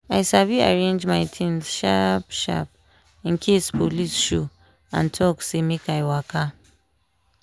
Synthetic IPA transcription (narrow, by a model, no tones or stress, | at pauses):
aɪsavia̰ɹẽnd͡ʒmaɪtʰĩnʃapʃa̰p̚ | ĩŋ̩kʰespʰolisʃo | ã̰ntʰɔksemekaɪwakʰa